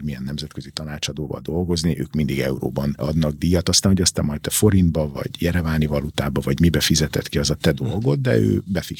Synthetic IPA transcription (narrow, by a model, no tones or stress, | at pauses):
rmijɛnːɛmzɛt̪køzit̪ɒnaːt͡ʃɒd̪oːvɒ̰ld̪o̞lɡo̞zniʔø̰ːkmind̪iɡɛuɾo̰ːbɒnɒd̪nɒɡ̚d̪iːjɒt̪ɒst̪aːnɦoɟɒst̪ɛmɒjt̪t̪ɛfo̞ɾind̪bɒvɒ̰ɟjɛɾɛvaːnivɒlut̪aːbɒvɒɟmibɛfizɛt̪ɛt̪kiɒzɒt̪ɛd̪o̞lɡo̞d̪ːɛ̰ø̰ːbɛfi